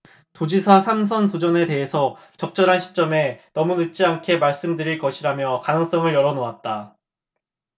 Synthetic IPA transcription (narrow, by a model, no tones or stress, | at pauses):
tod͡ʑisʰasʰamsʰʌnsod͡ʑʌne̞te̞ɦesʰʌ | t͡ɕʌk̚t͡ɕ͈ʌɾɦanɕʰi̥t͡ɕ͈ʌme̞nʌmunɯt͡ɕ͈iankʰe̞maɭs͈ɯmdɯɾiɭkʌɕʰiɾamjʌkanɯŋs͈ʌŋɯɭjʌɾʌnoat̚t͈a